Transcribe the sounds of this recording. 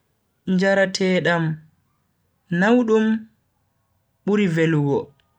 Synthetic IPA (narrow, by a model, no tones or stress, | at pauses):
ɲd͡ʒaɾatʰɛːɗam | nawɗum | ɓuɾiveluɡɔ